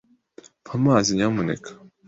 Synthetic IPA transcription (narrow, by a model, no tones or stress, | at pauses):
mamaːziɲamunḛkʰḁ